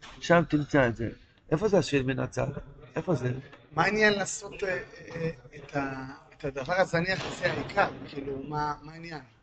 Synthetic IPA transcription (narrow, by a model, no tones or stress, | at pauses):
ʃamt̪imt͡saezḛ | ʔe̞fo̞zeaʃilmena̰t͡sa̰ʔefo̞zemainjanlaːso̞t | etʰaet̪ad̪avaʁazaniaχasiaikʰaʁkʰiːlumamainjan